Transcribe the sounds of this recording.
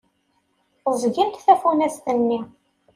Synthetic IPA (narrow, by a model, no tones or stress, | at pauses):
əzˤʝimt̪θæfunæst̪ənːi